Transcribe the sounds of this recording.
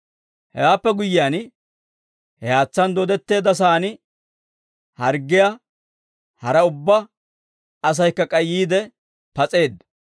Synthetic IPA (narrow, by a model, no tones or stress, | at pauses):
hɛ̰waːpːɛɡʊjːɪjaːn | hɛhaːt͡sːɐnd̪ɔd̪ɛt̪ːe̞ːd̪ːɐs̬aːn | hɐɾɡːɪja | hɐɾɐʊbːɐ | ɐs̬ɐjkːɐkʼɐjːiːd̪ɛ | pɐt͡sʼe̞ːd̪